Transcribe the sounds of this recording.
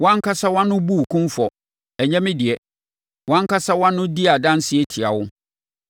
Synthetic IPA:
wã˦ŋ˦kʰa˦sa˦wã˦nːʊ̃˦bu˦˨kʰʊ̃˦nfɔ˨ | ɛ˨ɲɛ̃˦mɪ̃˦dɪ˨ɛ˨ | wã˦ŋ˦ka˦sa˦wã˦nːʊ̃˦di˦a˨dã˦n˦sɪ˦ɛ˦tʰɪ˨a˨wʊ˦

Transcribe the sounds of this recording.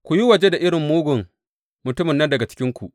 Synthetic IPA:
kʷu˨ji˦wɐ˨d͡ʒe˦da˨ʔɪ˦ɽɪ˨mːoː˦ɡʷʊ˨ŋ | mʊ˨tʊ˦mɪ˨nːɐ˦ndɐ˨ɡa˨t͡ʃɪ̥˦kʲɪ˦ŋkʷṵ˨ʔ

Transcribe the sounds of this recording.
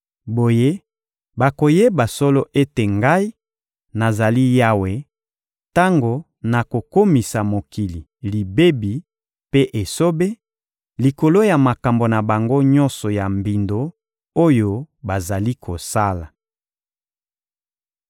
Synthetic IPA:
bo˨je˦ | ba˨ko˨je˦ba˨sɔ˦lo˦ʔe˦te˨ŋɡa˦i˦ | na˨za˨li˦ja˦we˦ | ta˦ŋɡo˨ | na˨ko˨ko˦mi˨sa˨mo˨ki˨li˨ | li˨be˦bi˨ | pe˦ʔe˨so˦be˦ | li˨ko˨lo˦ja˨ma˨ka˨mbo˨na˨ba˨ŋɡo˦ɲɔ˦nsɔ˨ja˨mbi˨ndo˨ | o˦jo˦ | ba˨za˨li˦kʰo˨sa˦la˨

